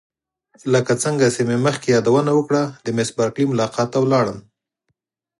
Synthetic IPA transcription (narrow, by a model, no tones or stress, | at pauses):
ləkat͡səŋɡasememəxkejɑd̪awənawəkɽad̪əmɪsbɑɾklimʊlɑqɑt̪ːawlɑɽəm